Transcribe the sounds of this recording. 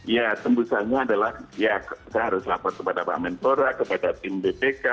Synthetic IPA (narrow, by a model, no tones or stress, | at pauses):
ijat̪əmbusaɲaːdalahjakaɦaɾʊslapat̪̚kəpadaba̰mɛnt̪oɾakəpadat̪ɪmbepeka